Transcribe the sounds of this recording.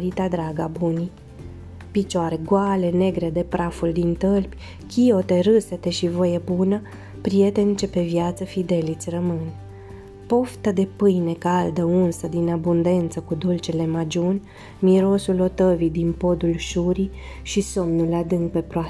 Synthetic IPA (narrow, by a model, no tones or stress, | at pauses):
ɾit̪ad̪ɾaɡabuni | pit͡ʃoaɾe̞ɡale̞ne̞ɡɾe̞d̪e̞pɾafuld̪int̪əlpʲ | kʲio̞t̪e̞ɾɨset̪e̞ʃivo̞jebunə | pɾije̞t̪e̞nʲt͡ʃe̞pe̞vjat̪səfid̪e̞lit̪sʲrəmɨn | po̞ft̪əd̪e̞pɨjne̞kald̪əunsəd̪inabund̪e̞nt̪səkud̪ult͡ʃele̞mad͡ʒunʲ | miɾo̞sulo̞t̪əvid̪inpo̞d̪ulʃuɾi | ʃiso̞mnulad̪ɨŋk̚pe̞pɾoa